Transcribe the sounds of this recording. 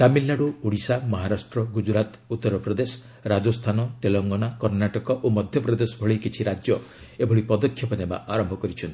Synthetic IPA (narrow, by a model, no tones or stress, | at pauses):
t̪amilnaɽuoɽisamɔɦaɾasʈɾɔɡud͡ʒɾat̪ | ut̪ːɔɾɔpɾɔd̪esɔ̥ | ɾad͡ʒɔst̪ʰanɔt̪elɔŋɡɔɽ̃akɔɾnaʈɔkɔʔomɔd̪ʱjɔpɾɔd̪esɔbʱɔɭikit͡ʃʰiɾad͡ʒjɔ | ebʱɔɽipɔd̪ɔkʰjɔpɔneba̰ʔaɾɔmbʱɔkɔɾit͡ʃʰɔnt̪i̥